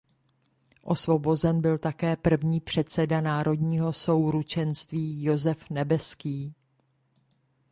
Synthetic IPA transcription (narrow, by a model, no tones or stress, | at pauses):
ʔo̞svo̞bo̞zɛnbɪlt̪akɛːpr̩vɲiːpr̝̥ɛt̪t͡sɛdanaːɾo̞dɲiːɦo̞so̞wɾut͡ʃɛnst̪viːjo̞zɛfnɛbɛskiː